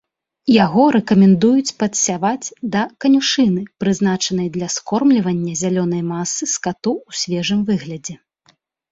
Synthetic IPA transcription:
jaɣɔɾɛkɐmʲɛnd̪ujut͡sʲpɐt̪sʲavad͡zʲd̪ɐkɐnʲuʂɨnɨpɾɨzn̪at͡ʂɐn̪ɐjd̪lʲɐskɔrmlʲivɐnʲːɐzʲalʲɔnɐjmasɨskat̪uusʲvʲɛʐɨmvɨɣlʲɐd͡zʲɛ

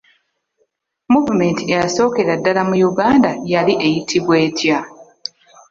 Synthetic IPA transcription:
muvume̞ːntiejaso̞ːke̞ɾadːalamujuɡaːndajaliʔe̞jitʰiβwe̞ːtʰja

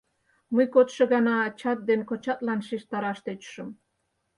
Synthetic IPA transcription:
məjkot̪ʃɤ̆ɣɑnɑːt͡ɕɑt̪̚d̪enkot͡ɕɑt̪̚lɑnʃiʃt̪ɑɾɑʃt̪øt͡ɕʃə̆m

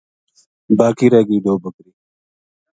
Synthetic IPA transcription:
baːkiːɾɛːɡiːd̪oːbəkɾiː

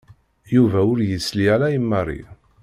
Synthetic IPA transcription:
juvæʊɾjəslialæjəmːɑrˤːḭ

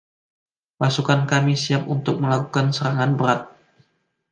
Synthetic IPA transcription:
pasukankamisiap̚unt̪ʊk̚məlakukansəɾaŋanbəɾat̪̚

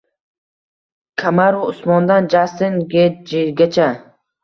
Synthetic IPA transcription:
kʰamaɾʊʊsmɒnd̪and͡ʒast̪ɪnɡʲed͡ʒeɡʲat͡ʃʰa

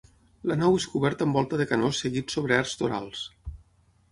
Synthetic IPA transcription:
lənaweskuβɛɾt̪əmbɔlˠt̪əðəkənosːeɣit̪soβ̞ɾeaɾzt̪oɾa̰lˠs

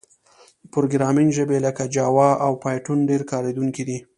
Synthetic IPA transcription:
pʊɾoɡɾɑminʒəbeləkad͡ʒɑwɑawpɑjʈunɖeɾkɑɾed̪uŋkid̪i

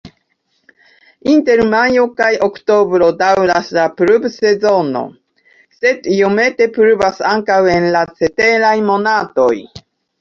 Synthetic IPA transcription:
inte̞ɾmajo̞kajo̞kto̞bɾo̞dawɾaslapɾubse̞zo̞no̞̰ | se̞dio̞me̞te̞pɾuvasaŋkawe̞nlat͡se̞te̞ɾajmo̞nato̞j

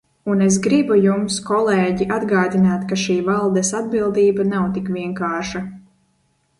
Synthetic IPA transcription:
unes̬ɡɾibujumskɔlˠɛːɟiʔad̪ɡaːd̪inaːt̪kaʃiːvalˠd̪ɛsad̪̚bilˠd̪iːbanawt̪ikvʲiɛŋkaːɾʃa

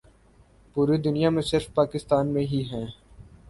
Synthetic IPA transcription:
puːɾid̪ʊnijamẽsɪɾfpaːkɪst̪aːnmẽɦiɦɛ̃ː

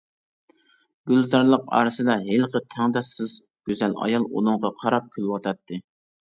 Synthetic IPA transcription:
ɡ̥ʲylzɑɾlˠəqɑ̰ːɾɨsɨd̪ɑɦelqət̪ʰæŋd̪ɑsːɨz | ɡ̥ʲøzɛlɑ̰jɑlˠṵnuŋʁɑqʰɑɾɑp̚kʲʰølwɑt̪ʰɑt̪ʰːɨ

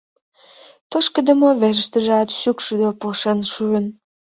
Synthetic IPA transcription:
t̪oʃkə̆d̪ə̆moβeʒə̆ʃt̪əʒeɑt̪ʃykʃyd̪opoʃenʃyən

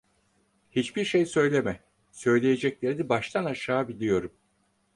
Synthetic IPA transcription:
hit͡ʃbiɾʃejsø̞jlʲemɛ | sø̞jlʲe̞je̞d͡ʒɛclʲe̞ɾid̪ɛbaʃt̪ʰanaʃaːbilʲijo̞ɾum

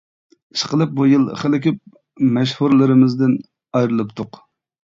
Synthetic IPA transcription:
iʃqəlˠɨp̚bujɨlˠχəlɪkʲʰip̚ | mɛʃhuɾlˠɨɾɪmɪzd̪ɪn | ɑjɾɨlˠɨpt̪ʰʊq

